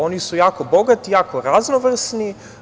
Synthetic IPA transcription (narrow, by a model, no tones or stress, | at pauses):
o̞nisujaːkobo̞ɡat̪ijaːkoɾaznoʋr̩sni